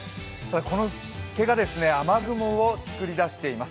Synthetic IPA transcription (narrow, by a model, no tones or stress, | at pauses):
t̪ad̪ako̞no̞ɕ | ke̞ɡad̪e̞sɨne̞amaɡɯ̟moot͡sɨ̥kɯ̟ɾʲid̪aɕi̥t̪e̞imas